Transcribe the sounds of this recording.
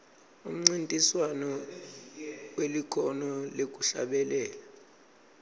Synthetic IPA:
um̩ŋ͡ǀintʼiswanɔ | welikʰɔnɔlek̬ʼuɬa̰ɓɛlɛːla

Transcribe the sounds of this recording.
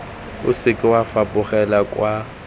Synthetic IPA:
ʊsɪkʼɪwafapʼʊχɛlakʼwa

